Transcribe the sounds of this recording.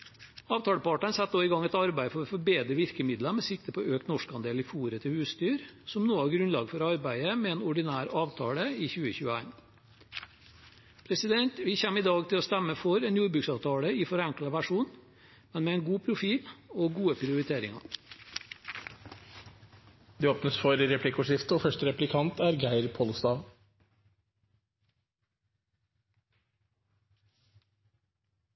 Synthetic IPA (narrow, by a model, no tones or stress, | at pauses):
ɑːʋt̪ʰɑːləpɑʈənsɛt̪ːoːɪɡɑŋɛt̪ɑɾbæɪfɔɾɔfɔɾbeːd̪ɾəʋɪɾkəmɪd̪ləmɛsɪkt̪əpʰɔøːkt̪nɔʂkɑnd̪eːliːfuːɾət̪ʰɪhʉːsst̪yːɾsɔmnoːəæːɾɡɾʉnlɑːɡfɔɾɑɾbæɪəmɛeːnɔɖɪnæːɾɑːʋt̪ʰɑːɽəiːçʉːəçʉːəæɪn | pʰɾɛsɪd̪ɛnt̪ʋiːçɛmɪd̪ɑːɡt̪ʰɪlɔst̪ɛmːəfɔɾɛːnjuːɖbɾʉːksɑːʋt̪ʰɑːɽəɪːfɔɾɛŋklɑʋæʂuːn | mɛnmeːeːnɡuːpʰɾʊfiːloːɡuːəpʰɾɪʊɾɪt̪ʰeːɾɪ̰ŋɑ̰ | d̪̥ːoːpnəsfɔɾɾɛpʰlɪkʊʂɪft̪əoːfœʂtəɾɛplɪkʰɑnt̪ʰæːɾɡæɪɾpʰɔlst̪ɑːʋ